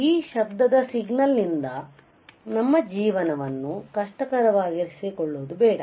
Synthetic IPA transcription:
iːʃɐb̚d̪ɐd̪ɐsiɡnɐlnind̪ɐ | nɐmːɐd͡ʒiːʋɐnɐʋɐnːukɐʂʈɐkɐɾɐʋaːɡiɾsikɔɭːoːd̪ubɛːɽɐ

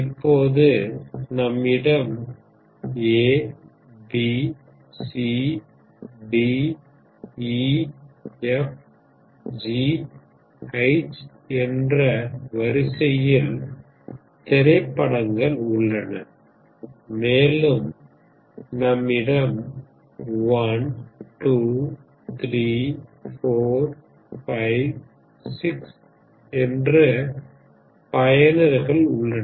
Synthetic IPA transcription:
ɪpːoːðɯnɐmːɪɽɐm | eː | bi | si | bi | ɛf | d͡ʒi | ɐɪt͡ʃ | ɛndrɐʋɐɾɪsɐjɪl | t̪ɛɾɐɪpːɐɽɐŋɡɐɭʊɭːɐnɐ̰ | meːlɯm | nɐmːɪɽɐm | ʋɐnʈuː | t̪ɾiːfoːɾ | fɐɪʋ | sɪks | ɛndrɐ | pɐjɐnɐɾɣɐɭʊ̰ɭːɐ

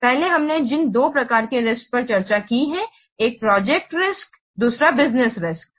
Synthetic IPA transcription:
pɛɦleɦɐmned͡ʒɪnd̪oːpɾɐkaːɾkeɾɪsk̚pɐɾt͡ʃɐɾt͡ʃakiɦɛ | eːk̚pɾɔːd͡ʒɛk̚ʈɾɪsk | d̪uːsɾabɪznɪsɾɪsk̚

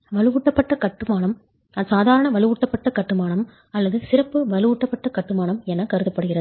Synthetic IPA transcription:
ʋɐlɯʋuːʈːɐpːɐʈːɐkɐʈːɯmaːɳɐm | saːðaːɾɐɳɐʋɐlɯʋuːʈːɐpːɐʈːɐkɐʈːɯmaːɳɐm | ɐlːɐðɯsɪɾɐpːɯʋɐlɯʋuːʈːɐpːɐʈːɐkɐʈːɯmaːɳɐmɛnːɐkɐɾɯðɐpːɐɽɯɣɪɾɐðɯ

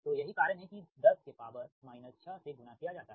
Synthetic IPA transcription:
t̪ojɐɦikaːɾənɦɛ̃kid̪ɐɾs̚kepaːʋənmaːɪnət̪ʃaseɡʊnakijad͡ʒaːt̪aːɦɛ

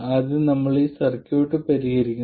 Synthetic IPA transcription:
ɐðɨnɐmːɐɭisɐrkʲːoːʈːɨpɐɾiɣɐɾikʲːu

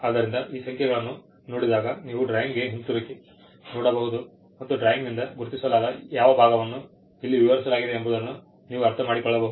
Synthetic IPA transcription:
aːd̪ɐɾind̪ɐʔiːsɐŋkʰjɛɡɐɭɐnːu | noːɽid̪aːɡɐniːʋuɖɾaːjiŋɡɡeɦint̪uɾɐkːi | noːɽɐboːɦud̪u | mɐt̪ːuɖɾaːjiŋɡnind̪ɐɡuɾt̪isɐlaːɡɐjaːʋɐbʱaːɡɐʋɐnːu | ilːiʋiʋɐɾisɐlaːɡid̪eːmboːd̪ɐnːu | niːʋuɐɾt̪ʰɐmaːɽikɔɭːɐboːuu

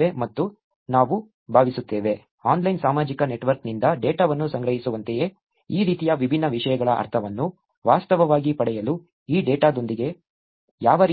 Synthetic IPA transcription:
emɐt̪ːu | naːʋu | bʱaːʋisut̪ːeːʋe̞ | aːnlɐjnsaːmaːd͡ʒikɐne̞ʈʋɐɾknind̪ɐɖɛːʈaːʋɐnːusɐŋɡɾɐɦisuʋɐnt̪eje̞ | iːɾiːt̪ijɐʋibʱinːɐʋiʂɐjɐɡɐɭɐʔɐ̰ɾt̪ʰɐʋɐnːu | ʋaːst̪ɐʋɐʋaːɡipɐɽɛjɐlu | iːɖeːʈaːd̪o̞nd̪iɡe̞ | jaːʋɐɾ

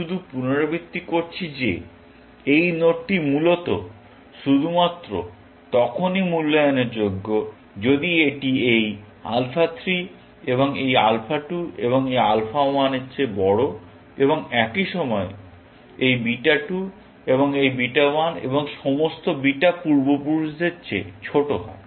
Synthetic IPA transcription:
ʃud̪ʱupunoɾobit̪ːikoɾt͡ɕʰid͡ʑḛ | ejnoʈimulot̪o̰ | ʃud̪ʱumat̪ːɾo̰ | t̪ɔkʰonimulːojoneɾd͡ʑoɡːo | d͡ʑod̪ieʈiej | a̰lfʰat̪ʰɾi | eβoŋeja̰lfʰaʈuḛβoŋejalfʰawaneɕʰebɔɽo | eboŋɛkiʃɔmɔe | ejbiʈaʈu | eβoŋejbiʈawanḛboŋʃɔmost̪obiʈapuɾbopuɾʃd̪eːɕʰḛt͡ɕʰoʈoɦa̰e

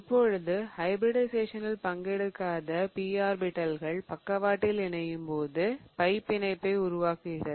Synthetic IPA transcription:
ɪpːɔɻɯðɯhɐɪbɾɪɽɐɪseːʂɐnɪlpɐŋɡɛɽɯkːaːðɐpiːaːɾbɪʈːɐlɣɐɭpɐkːɐʋaːʈːɪlɛɳɐjɯmpoːðɯpɐɪpːɪnɐɪpːɐɪʊɾʊʋaːkɪɪɾɐ

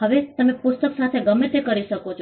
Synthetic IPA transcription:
ɦəʋet̪əmẽpʊst̪əksat̪ʰeɡəmet̪ʰekəɾiʃəkot͡ʃʰ

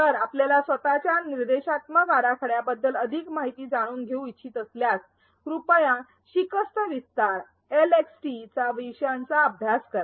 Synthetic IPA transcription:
t̪əɾapljalasʋət̪at͡ɕaniɾd̪eɕat̪məɡaɾakʰəɽjabəd̪ːələd̪ʱikmaɦit̪iːd͡zaɽ̃uːnɡʱeũitːt͡ɕʰiːt̪əsljas | kɾupəjã | ɕikəst̪əʋist̪aɾ | eleksʈit͡saʋiɕjant͡saəbʱjaskəɾa

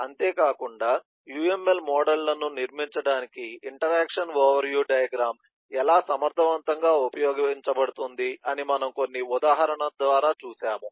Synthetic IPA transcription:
ɐnt̪eːkaːkuɳɖaː | juːe̞mːelmɔːɖɐlːɐnuniɾmiɲt͡ʃɐɽaːnikiiɳʈɐɾaːkʂɐnʋoːʋɐɾjuːɖɐjɐɡɾaːm | ɛlaːsɐmɐɾt̪ʰɐʋɐnt̪ɐŋɡaːupɐjɔːɡɐiɲt͡ʃɐbɐɽut̪und̪iɐnimɐnɐmko̞nːiud̪aːɦɐɾɐɳɐd̪ʋaːɾaːt͡ʃuːsaːmu

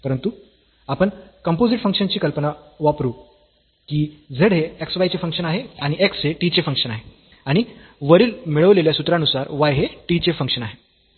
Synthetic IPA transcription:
pəɾənt̪u | apəɳkəmpod͡ziʈfəŋkʂənt͡ɕiːkəlpənaʋapɾuː | kiːd͡zʱəɽɦeːksʋajt͡ɕefəŋkʂənaɦeaɽ̃iʔeksɦeʈit͡ɕefəŋkʂənaɦe | aɽ̃i | ʋəɾiːlmiɭəʋleljasut̪ɾãnusaɾʋajɦeʈit͡ɕefəŋkʂənaɦe

